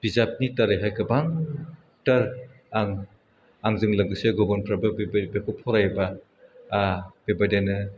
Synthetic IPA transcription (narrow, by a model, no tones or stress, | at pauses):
b̥izap̚nitaɾeɦajkʰɯbaŋ | tɐɾ | aŋ | aŋzɯŋlɐɡɯseɡɔbɔnpʰɾabɐbekʰɔpʰɔɾajbɐː | b̥ebadenɯ